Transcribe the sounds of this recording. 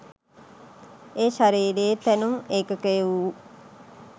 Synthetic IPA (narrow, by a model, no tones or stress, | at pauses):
eːʃaɾiːɾeːt̪ænumeːkəkejʋuu